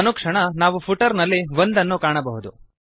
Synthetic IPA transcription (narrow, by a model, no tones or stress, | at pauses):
nukʂɐɳɐnaːʋupʰuʈɐɾnɐlːiʋond̪ɐnːukaːɳɐbɐɦud̪u